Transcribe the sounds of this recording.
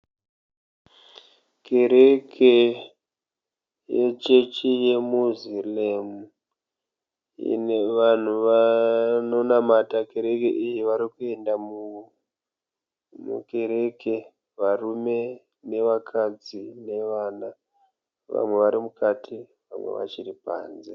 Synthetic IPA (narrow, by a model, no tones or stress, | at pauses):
ke̞ɾe̞kʰe | jet͡ʃe̞t͡ʃije̞muzilemu | ʋan̤uʋano̞namatake̞ɾe̞kḛʔijiʋaɾikue̞ndamuu | mṵke̞ɾe̞ke̞ | ʋarume̞ | ne̞ʋakʰad͡zine̞ʋaːna | ʋa̰mwe̞ʋaɾimukʰatʰi | ʋa̰mwḛʋa̰t͡ʃiripa̰ːnze